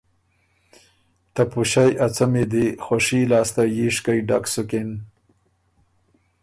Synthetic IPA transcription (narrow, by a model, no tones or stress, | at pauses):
t̪apuɕajʔat͡samed̪ixoʂilɑːst̪ajiʂkajɖa̰ksuken